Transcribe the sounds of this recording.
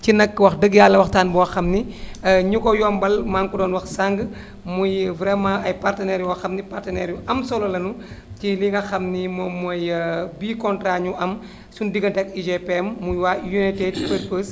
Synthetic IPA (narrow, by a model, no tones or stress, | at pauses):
cinɐkːwɐxdəɡjalːɐwɐxtaːnbɔwɔxɐmniɲukɔjɔːmbɐlmaːŋkudɔːnwɐxsaŋɡ | mujvɾɛmãːɐjpartənɛːɾjuwɐxɐmnipartənɛːɾjuʔɐmsɔlɔlɐnuciliŋɡɐxɐmnimɔmːuɔjbiːkɔntɾaɲuʔɐm | sundiɡɐntɛkid͡ʒepemːujwaːjunitedpəɾpəːs